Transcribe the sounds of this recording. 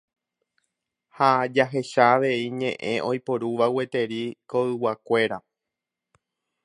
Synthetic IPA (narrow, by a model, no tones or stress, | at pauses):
had͡ʒaɦe̞ʃaːʋe̞iɲẽ̞̰ʔẽ̞̰ʔo̞jpoɾuʋawe̞t̪e̞ɾikoɨwakʷe̞ɾa